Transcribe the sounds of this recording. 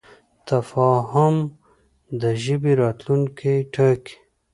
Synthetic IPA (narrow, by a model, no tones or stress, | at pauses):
t̪afɑːɦʊm | d̪əʒibiɾɑːt̪lunkʰeʈʰək